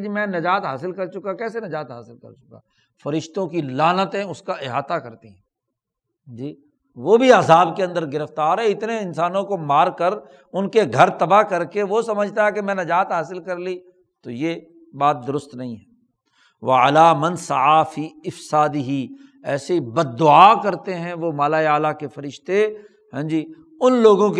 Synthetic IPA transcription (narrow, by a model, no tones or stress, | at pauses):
imɛ̃nɐd͡ʒaːt̪ɦaːsɪlkɐɾt͡ʃʊkakɛːsenɐd͡ʒaːt̪ɦaːsɪlkɐ̰ɾt͡ʃʊka̰ | fɐɾɪʃt̪õkilaːnət̪ẽʊskaʔɪɦaːt̪akɐɾt̪iɦɛ̃ː | d͡ʒiː | ʋobʱiaːzaːbkeɐ̃nd̪əɾɡɪɾəft̪aːɾɛɪt̪neɪnsaːnõkomaːɾkəɾ | ʊnkeɡʱɐɾt̪ɐbakɐɾkeʋosɐməd͡ʒʱt̪aɦɛkemɛ̃ːnɐd͡ʒaːt̪ɦaːsɪlkɐɾliː | t̪oje | baːt̪̚d̪ʊɾʊst̪nɐɦĩɦɛː | ʋɐalaːmɐ̃nsɐʕaːfiːɪfsaːd̪ɪɦi | ɛːsebɐd̪̚ːʊaːkɐɾt̪eɦɛ̃ʋomaːlaːeaːlakefɐɾɪʃt̪e | ɦɛ̃ːd͡ʒiː | ʊnloːɡõk